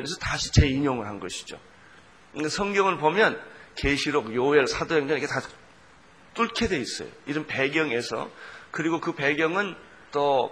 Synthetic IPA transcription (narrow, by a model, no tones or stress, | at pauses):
nesʰʌtaɕʰi̥t͡ɕe̞iɲoŋɯɭɦanɡʌɕʰi̥d͡ʑo̰ | asʰʌŋɡjʌŋɯɭpomjʌnkeɕʰiɾok̚joeɭsʰadoɦeŋd͡ʑʌnikʰeta | t͈uɭkʰedwe̞is͈ʌ̰jo̰iɾʌnpe̞ɡjʌŋe̞sʰʌ̰kɯɾiɡokɯpeɡjʌŋɯn | t͈ʌ